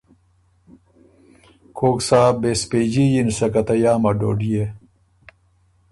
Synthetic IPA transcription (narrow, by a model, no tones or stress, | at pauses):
kʰoːksaːbespeːd͡ʑijinsɐkɐt̪ɐjaːmɐɖo̰ːɖije